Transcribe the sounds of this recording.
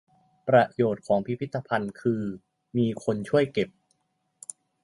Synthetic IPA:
pɾa˧joː˨˩t̪̚kʰɔː˩˦ŋpʰi˦˥pʰi˥t̪ːa˧pʰa˧nkʰɯː˧ | miː˧kʰo˧nt͡ɕʰu˥˩əjke˨˩p̚

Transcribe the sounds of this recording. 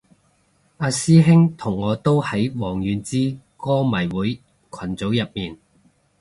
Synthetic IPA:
aː˧siː˥ɦɪ˥ŋt̪ʰʊ˨˩ŋːɔː˨˧t̪o˥whɐ˨˥jwɔː˨˩ŋjyː˨˧nt͡siː˥kɔː˥mɐ˨˩jwuː˨˥j | kʰɐ˨˩nt͡so˨˥wjɐ˨p̚miː˨˩n

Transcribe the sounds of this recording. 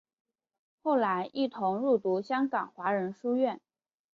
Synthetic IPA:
xo˥˩ʊla˧˥ɪʔi˥˩t̪ʰʊ˧˥ŋɻu˥˩t̪u˧˥ɕjɑ˥ŋkɑ˨˩ŋxwa˧˥ɻə˧˥nʂu˥ɥɛ˥˩n

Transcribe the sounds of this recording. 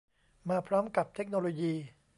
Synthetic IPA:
maː˧pʰɾɔː˦˥mka˨˩p̚t̪ʰe˦˥k̚noː˧loː˧jiː˧

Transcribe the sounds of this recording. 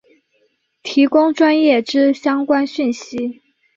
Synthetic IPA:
t̪ʰi˧˥kʊ˥ŋʈ͡ʂwa˥njɛ˥˩ʈ͡ʂɻ̩˥ɕjɑ˥ŋkwa˥nɕy˥˩nɕi˧˥

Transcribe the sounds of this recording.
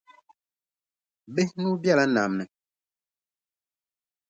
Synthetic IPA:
be˦nũ˦bja˦la˦na̰˨mnɛ˨

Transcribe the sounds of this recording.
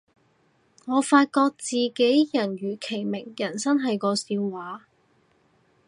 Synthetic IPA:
ŋɔː˨˧faː˧t̚kɔː˧k̚t͡siː˨ke˨˥jjɐ˨˩nɥyː˨˩kʰe˨˩jmɪ˨˩ŋjɐ˨˩nsɐ˥nɦɐ˨jkɔː˧siː˧wwaː˨˥

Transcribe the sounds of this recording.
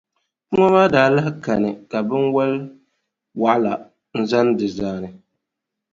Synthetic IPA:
mɔ˦maː˦daː˨˦la˦hɪ˦ka˨nɨ˨ka˨bɪ˦nwɛ˦l | wa˨ʔla˨ | n̩˦za˦n˦dɪ˨zaː˦nɨ˨

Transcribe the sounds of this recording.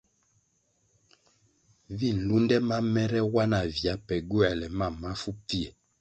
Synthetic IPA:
vi˦˨n̩˨lu˦ndɛ˦ma˦mɛ˦ɾɛ˦wa˦na˨vja˨˦pɛ˨ɡu˦ɛ˨lɛ˨ma˦˨mːa˦fu˦pi˦e˨

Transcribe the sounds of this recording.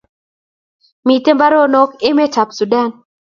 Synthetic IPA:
mi˨te˦mba˦ɾɔ˦nɔ˦ke˦me˦ta˨psu˨da˦˨n

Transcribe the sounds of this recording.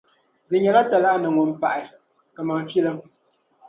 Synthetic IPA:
d͡zɨ˨ɲa˨la˦ta˨la˦ʔnə˨ŋɔ˨m˨pa˨ʔa˨ | kə˨ma˨m˦fji˦lə˦ŋ

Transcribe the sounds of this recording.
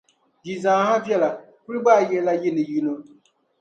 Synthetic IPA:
d͡ʒi˨zãː˨˦ha˦vjɛ˦la˨ | kɨ˦ɾɨ˦ɡ͡ba˦˨jɛ˨˦la˦jɪ˦nɨ˨ji˦no˦

